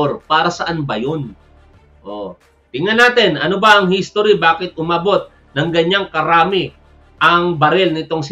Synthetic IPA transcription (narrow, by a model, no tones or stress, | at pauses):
ɾpaːɾɐsɐʔanbɐjon | ʔo̰ | t̪ɪŋɐnaːt̪ɛnʔɐnobɐʔɐŋhist̪oɾibaːkɪt̪̚ʊmaːbo̞t̪̚ | nɐŋɡɐɲaŋkɐɾaːmɪ | ʔɐŋbɐɾɛlnɪt̪oŋs